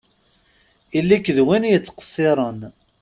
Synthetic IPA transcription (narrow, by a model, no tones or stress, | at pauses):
ilːikːðwinjət͡sːqə̥sˤːɪɾˤən